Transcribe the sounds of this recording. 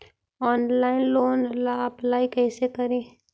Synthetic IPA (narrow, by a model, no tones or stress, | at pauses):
ɔːnlaːɪnloːnlaːplaːikɛːsekɐɾẽː